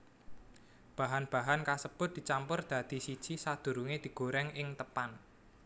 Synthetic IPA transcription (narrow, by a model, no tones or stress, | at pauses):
b̥a̤ɦanb̥a̤ɦankasəb̥ʊt̪̚d̥̪i̤t͡ʃampʊrd̪̥ä̤d̪̥i̤sid̥ʒ̥isad̪̥ṳɾuŋed̪̥i̤ɡ̥o̤ɾɛŋɪŋt̪əpan